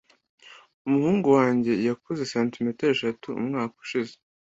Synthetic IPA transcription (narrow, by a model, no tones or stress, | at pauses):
umuhuːŋɡuwaːɲɟe̞jakoze̞saːntimeteɾeʃatuṵmŋaːku̥ʃize̥